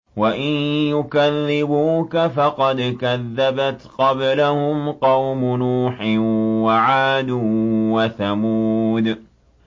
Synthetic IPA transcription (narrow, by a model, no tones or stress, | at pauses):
waʔɪnjʊkaðːɪbuːkafɑqɑd̪kaðːabat̪qɑblahʊmqɑwmʊnuːħɪwaʕaːd̪ʊwaθamuːd̪